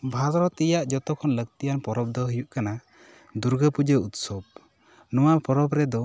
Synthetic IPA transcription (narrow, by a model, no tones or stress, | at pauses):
bʱad̪ɾɔt̪ijaʔd͡ʒɔt̪ɔkʰɔnləɡ̚t̪ijanpɔɾɔb̚d̪ɔɦijuʔkana | d̪uɾɡəpud͡ʒəut̪sɔb̚ | nɔwapɔɾɔbɾɛd̪ɔ